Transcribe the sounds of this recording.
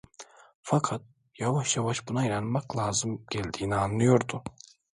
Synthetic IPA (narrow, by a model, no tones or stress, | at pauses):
fakʰat̪̚ | javaʃjavaʃbunaiɾanmaklˠaːzɯmɟ̥ælʲd̪iːnianlˠɯjo̞ɾd̪ʊ